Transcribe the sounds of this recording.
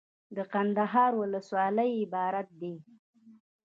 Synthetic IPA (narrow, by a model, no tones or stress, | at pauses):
d̪əqand̪aɦɑɾwʊləswɑləjɪbɑɾat̪̚d̪e